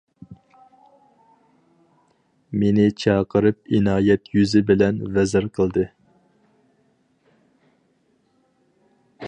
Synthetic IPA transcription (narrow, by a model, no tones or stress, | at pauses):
menɪt͡ʃʰɑːqəɾɨp̚inɑːjɛt̪jyzɪbɪlɛnvɛzɪɾqʰəlˠd̪ɨ